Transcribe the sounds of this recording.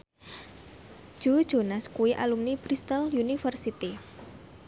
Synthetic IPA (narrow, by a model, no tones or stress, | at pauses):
ʒ̥ud̥ʒ̥o̤naskuiʔa̰lumnibɾist̪aljunifərsit̪i